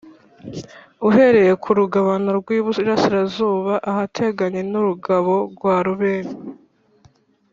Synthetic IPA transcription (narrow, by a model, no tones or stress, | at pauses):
uɦe̞ɾe̞je̞kʰuɾuɡaβano̞ɾɡwiːβuɾasiɾazuːβaʔahatʰe̞ɡaɲe̞nuɾuɡaβo̞ɾɡwaːɾuβeːɾi